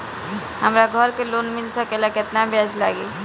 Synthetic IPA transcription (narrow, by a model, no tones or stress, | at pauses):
ɦəmɾaɡʱəɾkeloːnmɪlsəkelakɪt̪nabʱad͡ʒla̰ːɡiː